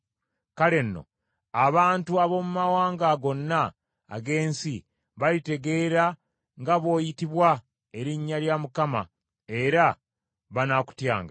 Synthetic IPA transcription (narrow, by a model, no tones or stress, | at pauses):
kale̞nːo̞̰ | aβaːntuaβo̞mumawaːŋɡaɡo̞nːa̰ː | ɡe̞ːnsi | βalite̞ɡe̞ːɾa | ŋɡaβo̞ːjitiβwa | e̞ɾiɲːaljamukama̰ | e̞ɾa | βanaku̥tja̰ːŋɡa